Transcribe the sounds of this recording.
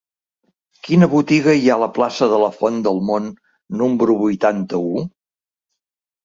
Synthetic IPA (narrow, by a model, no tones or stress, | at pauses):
kinəβut̪iɣəiaələplasəðələfɔnd̪əlˠmonː | umbɾuβujt̪ant̪əu